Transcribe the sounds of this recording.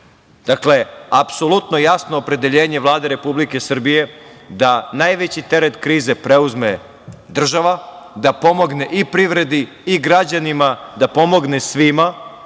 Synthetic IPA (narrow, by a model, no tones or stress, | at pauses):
d̪̥akle̞apso̞lut̪no̞jasnoːpɾe̞d̪eʎeːɲeʋlˠaːd̪e̞ɾe̞publike̞sr̩bije̞d̪anajʋet͡ɕit̪e̞ɾet̪kɾiːze̞pɾe̞uzme̞ | d̪r̩ʒaʋa | d̪apo̞mo̞ɡneʔipɾiʋɾe̞d̪i | iɡɾad͡ʑanimad̪apo̞mo̞ɡnesʋima